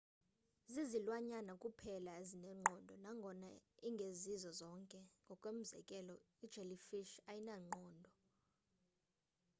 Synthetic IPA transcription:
zizilwaɲanakʼupʰɛlaezinɛŋ͡ǃʱɔndʱɔnaŋɡʱɔnaiŋɡʱezizɔzɔŋkʼɛŋɡʱɔkʼwem̩zɛ̰kʼɛlɔ | id̥ʒ̥ʱelifiʃajinaŋ͡ǃɔːndʱɔ

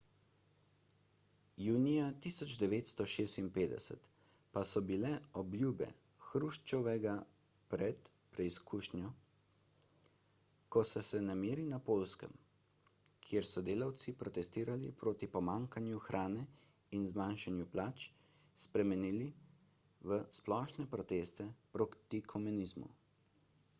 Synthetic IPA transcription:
juːnijat̪isɔd͡ʒd̪ɛʋeːt̪st̪ɔʃeːst̪inpeːd̪ɛ̰sɛ̰t̪ | pasɔbilɛɔblʲjuːbɛ̰ | xɾuʃt͡ʃɔʋɛɡa | pɾɛt̪ | pɾɛiskuːʃnjɔ | kɔsɛsɛnameːɾinapoːlskə̰m | kʰjeɾsɔd̪eːlawt̪sipɾɔt̪ɛst̪iːɾalḭpɾoːt̪ipɔmaːŋkanjuxɾʔaːnɛ | inzmanʃanjuplaːt͡ʃ | spɾɛmɛniːli | ʋəsplɔːʃnɛpɾɔt̪eːst̪ɛpɾokt̪ikʰɔmɛnizmṵ

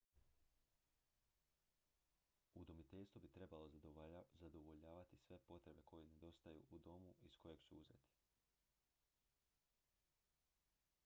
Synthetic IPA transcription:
ud̪omit̪e̞ʎʲst̪vubit̪ɾe̞balˠozzad̪oʋo̞ʎaːʋat̪isʋe̞po̞t̪ɾe̞be̞kʰo̞jene̞d̪o̞st̪ajṵʔud̪o̞muisko̞je̞ɡ̥suuze̞̰t̪i̥

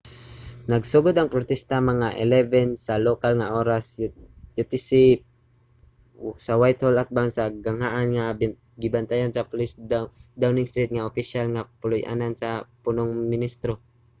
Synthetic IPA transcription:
nɐɡsʊɡod̪aŋpɾot̪ɛst̪amɐŋaʔɛlɛvɛnsalokalŋaʔoːɾasjʊt̪ɪsi | sawajt̪holat̪̚bansaɡaŋhaʔanŋa | ɡɪbant̪ajansɐpʊlɪsd̪awnɪŋst̪ɾit̪̚ŋaopiʃalŋapʊlʊjʔa̰nansapunoŋmɪnist̪ɾo

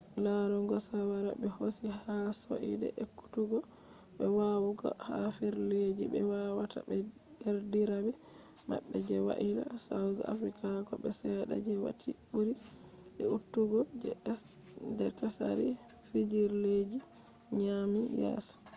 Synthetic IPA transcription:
laɾuŋɡɔsawaɾabɛhosihaso̰ʔidɛ̰ʔɛkːu̥tuɡɔɓɛwawuɡɔ̰hafiɾled͡ʒibɛwawatʰa̰bɛdɛɾdiɾabɛma̰ɓːɛd͡ʒɛwa̰ʔila̰sawza̰fɾikʰakɔɓɛsɛɗa̰d͡ʒiwa̰tʰiuɾiɛutːuɡɔ | dɛtasaɾifid͡ʒiɾled͡ʒiɲamijɛ̰ːsɔ̥

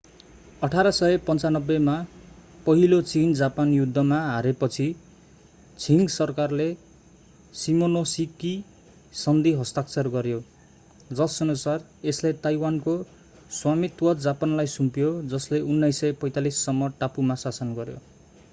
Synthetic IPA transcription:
ʌʈʰaɾʌsʌepʌnt͡sanʌbːema | pʌɦilot͡sind͡zapanjud̪ʱːʌmaɦaɾepʌt͡sʰi | t͡sʰiŋɡsʌrkarle | simonosiki | sʌnd̪ʱiɦʌst̪ak̚t͡sʌrɡʌɾjo | d͡zʌsʌnusar | eslet̪ajwanko | swamit̪wʌt̪d͡zapanlajsumpjod͡zʌsleunːʌjsʌjpʌjt̪alisːʌmːʌʈapumasasʌnɡʌɾjo̰

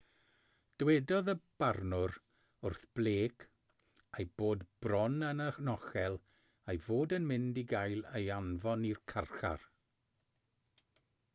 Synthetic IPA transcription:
d̥wɛdɔðəb̥arnʊɾ | ʊrθb̥lˠeːkʰ | ejb̥oːdb̥rɔnənənɔχɛlˠ | ejvoːdənmɪndiɡajlˠejanvɔnirkʰarχa̰r

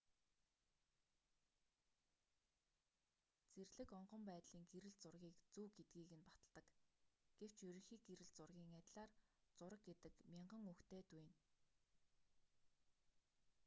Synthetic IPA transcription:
t͡serɮɘ̆kɔɴɢɞ̆mpæːt̪ɮiːŋɡeɾɘ̆ɮt͡sʊrɣʲiːkt͡suːɡet̪̚ɡiːɣɘ̆npḁt̪ə̆ɮt̪ə̆kɡ̥ew̥t͡ɕjɵɾɵ̆ŋxiːkɡeɾɘ̆ɮt͡sʊrɣʲiːŋæt̪ʲɮaːrt͡sʊɾə̆k̚ɡet̪ɘ̆kmʲiɴɢə̆ŋukt̪eːt̪ujːn

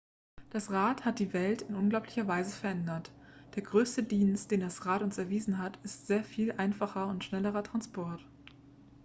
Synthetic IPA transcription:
d̥asʁaːthat̚d̥iːvɛltɪnʔʊnɡlaʊplɪçɐvaɪzəfɛɐʔɛndɐt | d̥eːɐɡʁøːstədiːnst̚d̥eːndasʁaːtʊnsɛɐviːzn̩ɦatɪstz̥eːɐfiːlʔaɪnfaχɐʊntʃnɛləʁɐtʁ̥anspɔɐt

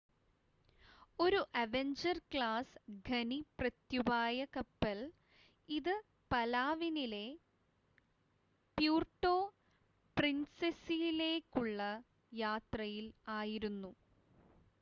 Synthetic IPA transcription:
o̞ɾuʔɐʋeɲd͡ʑɐrkɭaːsɡʱɐniprɐt̪jubaːjɐkɐpːɐl | iðɨ | pɐlaːʋinile̞ | pjuːrʈːo̞ː | prinsesijile̞ːkʲːuɭːɐ | jaːt̪rɐjilaːjiɾunːu

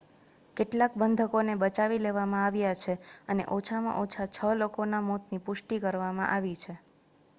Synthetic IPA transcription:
keʈlakbənd̪ʱəkonebət͡ʃaʋileʋamãaʋjat͡ʃʰeənḛʔot͡ʃʰamã̰ʔot͡ʃʰat͡ʃʰəlokonamot̪nipʊʃʈikəɾʋamã̰ʔaʋit͡ʃʰe

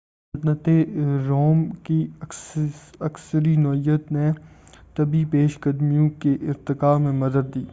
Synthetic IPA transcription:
d̪nət̪eɾoːmki | ɐksəɾinɔːijət̪ne | t̪ɐbipeːʃɡəd̪mijõkeʔɪɾt̪ɪkaːmẽmɐd̪əɾd̪iː

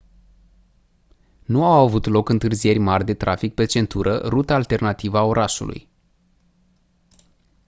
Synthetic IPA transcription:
nuawavut̪lo̞kɨnt̪ɨrzie̞rʲmarʲd̪e̞t̪ɾʔafik̚pe̞t͡ʃe̞nt̪uɾʔə̰ɾut̪aːlt̪e̞rnat̪ivəao̞ɾʔaʃṵlṵj

